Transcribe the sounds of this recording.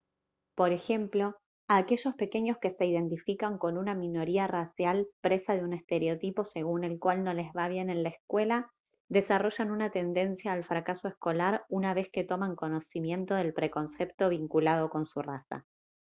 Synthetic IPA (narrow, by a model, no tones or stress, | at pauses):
po̞ɾe̞xe̞mplo̞ | ake̞ʒo̞spe̞ke̞ɲo̞ske̞se̞iðe̞nt̪ifikaŋko̞nunamĩno̞ɾiarasjalpɾe̞saðeune̞st̪e̞ɾeo̞t̪ipo̞se̞ɣ̞une̞lkwalno̞le̞zβaβ̞je̞ne̞nlaeskwe̞la | ðe̞saro̞ʒanunat̪e̞nd̪e̞nsjaːlfɾakasoesko̞laɾunaβe̞ske̞t̪o̞maŋko̞no̞simje̞nt̪o̞ðe̞lpɾe̞ko̞nsept̪o̞β̞iŋkulað̞o̞ko̞nsurasa̰